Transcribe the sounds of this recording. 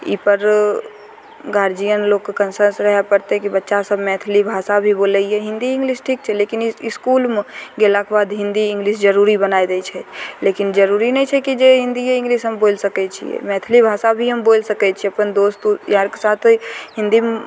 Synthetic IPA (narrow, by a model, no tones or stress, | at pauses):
ḭpəɾ | ɡaːɾd͡ʒijənloːɡkːkənsəɾsɾəɦɛpəɾt̪eɦɛkibətːʃasəbmɛ̃ːt̪ʰlibʱaːsabʱiboːləiɦɛɦɪ̃nd̪iɪ̃ŋɡliːsʈʰiːk̚t͡ʃʰɛleːkinɪskuːlmɡelakebaːd̪ɦɪ̃nd̪iɪ̃ŋɡliːsd͡ʒəɾuːɾibənaːid̪ɛt͡ʃʰɛleːkɪnd͡ʒəɾuːɾinɛĩt͡ʃʰɛkid͡ʒeɦɪ̃nd̪ieɪ̃ŋɡliːsɦəmboːlsəkɛt͡ʃʰḭɛ̰mɛ̃t̪ʰlibʱaːsabʱiɦəmboːlsəkɛt͡ʃʰieɐpənd̪oːst̪ujaːɾkesaːt̪ʰɦɪ̃nd̪im